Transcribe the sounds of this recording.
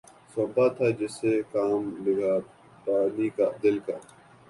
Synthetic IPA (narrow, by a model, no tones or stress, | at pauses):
sobat̪ʰaːd͡ʒɪsekaːmlɪɡaː | paːnikad̪ɪlka